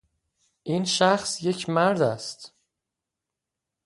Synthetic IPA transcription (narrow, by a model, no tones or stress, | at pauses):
ʔiːnʃæxsje̞cʰmæɾd̪æst̪